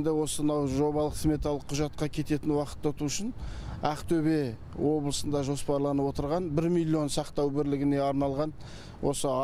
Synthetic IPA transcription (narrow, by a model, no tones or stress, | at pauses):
nd̪ejwo̞sənɑwʒo̞βɑlˠəqsme̞t̪alˠəqʰːʊʒɑt̪̚qɑkʲʰe̞t̪e̞t̪ɪnwɑqə̥t̪ːot̪uʊʃɪnæqt̪ʰɵbe̞ | wo̞blˠəsənd̪ɑʒo̞spɑɾlˠɑnəwo̞t̪əɾʁɑnbɪɾmilʲːio̞nsɑqt̪ɑwbɪɾlɪɡʲɪne̞ɑɾnɑlˠʁɑn | wʔo̞̰sə